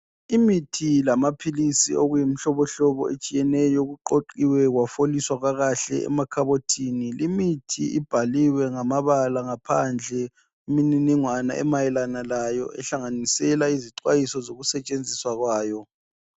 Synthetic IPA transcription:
imitʰilamapʰilisḭoɣujim̩ɬɔβɔɬɔβɔ̰et͡ʃʼijɛnɛjɔɣuǃoǃiwɛɣwafoliswaɣwaɣaɬɛ̰ɛ̰makʰaβotʰinilimitʰḭḭb̥ʱaliwɛŋamaβalaŋapʰa̰nd͡ɮʱɛ | imininiŋwana̰ʔɛ̰majɛlanalajɔ̰ɛ̰ɬaŋanisɛlaiziǀwajisɔzoɣusɛt͡ʃʼend͡zʱiswaɣwaːjɔ

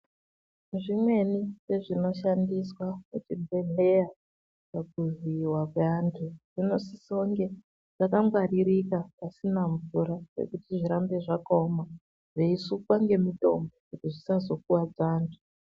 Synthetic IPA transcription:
ʐimwe̞nise̞ʐino̞ʃandiswamut͡ʃibʱe̞ɮeja | pak̚uviwakweantʰuʐ̥ino̞sisoŋɡe̞ | ʐ̥akaŋɡwariɾikapasinaɱvuɾarḛkutiʐiɾambe̞ʐakaoma | ʐeisukwaŋɡe̞mito̞mbokutiʐisazo̞k̚uwad͡zaːntʰu̥

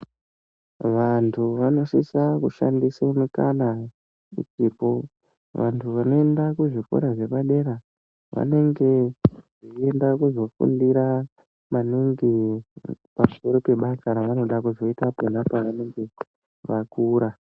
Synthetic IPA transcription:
ʋantʰuʋano̞sisakuʃa̰ndisaumikana | ṵt͡ʃiːpo̞ | ʋa̰ntʰuʋano̞e̞ndakuʐifo̰ɾaʐe̞paɗe̞ɾa | ʋa̰ne̞ŋɡe̞ʐiendakuzo̞fṵndiɾa | maniŋɡi | pam̩so̞ɾo̞pe̞ɓasaɾaʋano̞ɗakuzo̞itaponapaʋane̞ŋɡe̞ | ʋakuːɾa

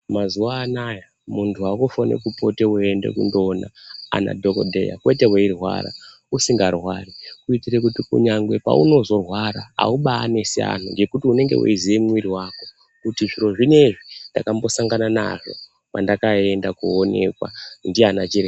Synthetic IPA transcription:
mazuaːnaja | muntʰuakufonḛkupo̞te̞uende̞̰kundo̞na̰a̰na̰dʱoko̞̰dʱe̞̰ja̰kwe̞te̞weirwa̰ɾa̰ | usiŋɡarwarikuitirek̬utikṵɲaŋɡwepa̰ṵno̞zo̞rwaɾaa̰uɓaːne̞sia̰n̤ṵŋɡe̞kutiune̞ŋɡe̞̰wṵiziʋemwiɾiwako̞̥ | kutiʐiɾo̞ʐine̞ʐindakambo̞saŋɡanana̰ʐo̞̰ | pandakae̞ndakuone̞̰kwa̰ndianat͡ʃiɾe

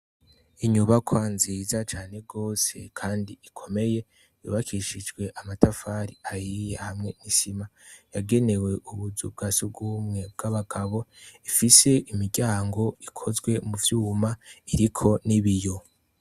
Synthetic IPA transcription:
iɲuβakʰwanziːzat͡ʃaːne̞ɡo̞ːse̞kʰaːndiikʰo̞me̞je̞ | jṵβakʰiʃid͡ʒɡwe̞ʔamatafaːɾiajijehamŋe̞nisimajaɡe̞ne̞we̞ʔuβuzub̚ɡasuɡumŋe̞b̚ɡ̥aβaɡ̥aβo̞ifise̞ʔimiɟaːŋɡo̞ikʰo̞zɡwe̞muvjuːmaiɾikʰo̞niβijo̞

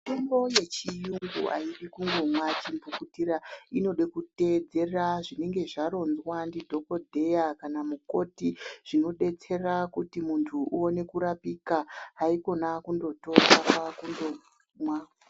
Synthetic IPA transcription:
itembo̞je̞t͡ʃijuŋɡṵʔa̰iɗikuŋɡomwat͡ʃimbukutiɾaino̞ɗekute̞d͡ze̞raʐine̞ŋɡe̞ʐaɾo̞nzwandidʱo̞ko̞dʱe̞jakanamuko̞tiʐ̥ino̞ɗe̞t͡se̞rakutimuntʰuuone̞kuɾapikaɦaiko̞nakundo̞to̞kakwakundo | mwa

